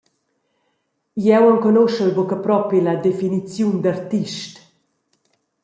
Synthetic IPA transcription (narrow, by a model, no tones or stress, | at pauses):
jɛwaŋkɔnoʃəɾbokapɾɔpilad̪efinit͡sjund̪aɾt̪iʃt